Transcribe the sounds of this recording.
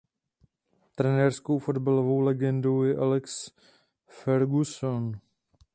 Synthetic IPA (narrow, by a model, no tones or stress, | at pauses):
t̪ɾɛnɛrsko̞wfo̞dbalovo̞wlɛɡɛndo̞wjɛʔalɛks | fɛɾɡuson